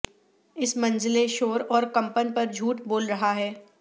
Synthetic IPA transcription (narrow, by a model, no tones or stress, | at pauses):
ɪsmɐ̃nd͡ʒleʃoːɾɔːɾkɐ̃mpənpɐɾd͡ʒʱuːʈboːlɾɐɦaɦɛː